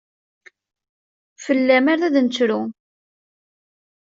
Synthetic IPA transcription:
fəlːæmaɾæðnt͡sːɾu

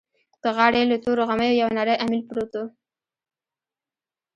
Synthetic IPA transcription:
d̪̥əɣɑɽelət̪oɾoɣaməjojawnaɾəjʔamilpɽot̪o

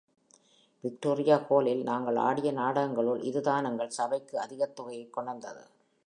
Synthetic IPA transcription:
ʋɪk̚ʈoːɾɪjaːkoːlɪlnaːŋɡɐɭa̰ːɽɪjɐnaːɽɐɣɐŋɡɐɭɯlʔɪðɯðaːnɐŋɡɐɭsɐbɐɪkːɯɐðɪɣɐt̪ːʊɣɐjɐɪkːɔɳɐnd̪ɐðɯ̰

